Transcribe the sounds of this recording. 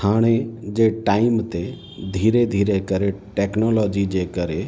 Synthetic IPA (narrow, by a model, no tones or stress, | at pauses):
aːɽ̃ed͡ʒeːʈaːɪmt̪e | d̪ʱiːɾed̪ʱiːɾekəɾeʈɛːknɔlɔːd͡ʒid͡ʒeːkəɾe